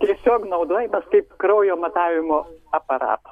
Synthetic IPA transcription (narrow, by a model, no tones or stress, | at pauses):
t̪ʲiɛsʲoːknɐʊd̪oːjɛmɐskɐɪpkɾɐʊjoːmɐt̪ɑːʋʲɪmoːɐpɐɾɑ̰ːt̪